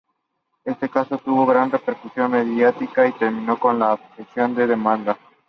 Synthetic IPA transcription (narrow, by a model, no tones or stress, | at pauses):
e̞st̪e̞kaso̞t̪uβo̞ɣɾanre̞peɾkusjo̞nme̞ðjat̪ikait̪e̞ɾmĩno̞ko̞nlaːpesjo̞nd̪eðemãnd̪a